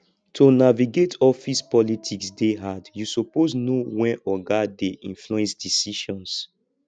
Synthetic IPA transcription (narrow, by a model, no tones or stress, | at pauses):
tʰonaviɡetʰɔfispɔlitʰiksdeɦadjusopoznowɛ̃nɔɡadeʔḭ̃nfluɛ̃nsdisiʃɔ̃ns